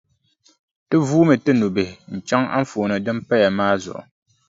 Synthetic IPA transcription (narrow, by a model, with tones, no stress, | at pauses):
tɨ˦vuː˦mɨ˨tɨ˦nu˨be˨hɪ˨n̩˨t͡ʃa˦ŋa̰˦ɱ̩˦fo˨nɨ˨dɨ˦m˦pɛ˦ja˨maː˦zʊ̰˨ʔʊ̰˨